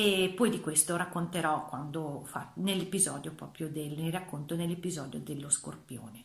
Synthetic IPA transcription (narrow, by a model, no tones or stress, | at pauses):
epːɔjd̪ikwest̪oɾakːont̪eɾɔkːwand̪ofa̰nelːepizɔ̰ːd̪jopɾɔ̰ːpɾjod̪elnerakːont̪onelːepizɔːd̪jo̰d̪elːosko̰rpjo̰ːne